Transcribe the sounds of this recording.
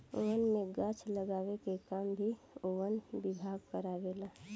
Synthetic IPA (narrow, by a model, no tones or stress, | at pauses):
o̰wənmẽɡãt͡ʃʰləɡaːwekekaːmbʱi | owənbɪbʱaːɡkəɾaːʋelaː